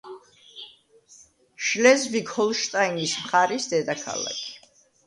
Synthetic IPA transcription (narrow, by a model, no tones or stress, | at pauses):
ʃlɛzvikhɔlˠʃt̪ʼainismχaɾisd̪ɛd̪akʰa̰la̰kʰi̥